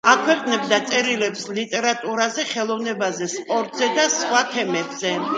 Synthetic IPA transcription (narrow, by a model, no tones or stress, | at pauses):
akʰwɛqʼnɛb̚d̪at̪sʼɛɾilɛpslit̪ʼɛɾat̪ʼuɾazɛχɛlˠɔvnɛbazɛspʼɔɾt̪ʼzɛd̪asχwat̪ʰɛmɛbz̥ɛ